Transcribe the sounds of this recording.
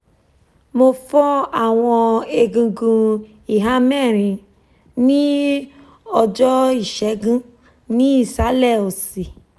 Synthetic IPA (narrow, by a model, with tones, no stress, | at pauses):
mo˧fɔ˦a˦˨w̃ɔ̃˧e˧ɡũ˧ɡũ˧ | i˨ɦa˦mɛ˦˨ɾ̃ĩ˧ | nĩ˦ | ɔ˧d͡ʒɔ˦i˦˨ʃɛ˨˦ɡũ˦ | nĩ˦i˦˨sa˨˦lɛ˦˨o˨si˨